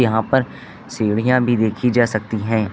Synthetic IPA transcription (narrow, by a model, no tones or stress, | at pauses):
jɐɦãpəɾ | seːɽijãbʱid̪eːkʰid͡ʒaːsɐk̚t̪iɦɛ̃ː